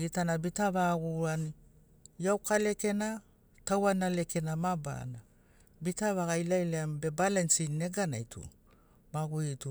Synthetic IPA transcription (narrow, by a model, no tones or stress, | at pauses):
ɡitanabitaβaɡuani | jawkale̞ke̞na | tawanale̞ke̞namaba̰na | bitaβaɡajlajleambe̞balensinːe̞ɡana̰jtʰṵ | maɡuitu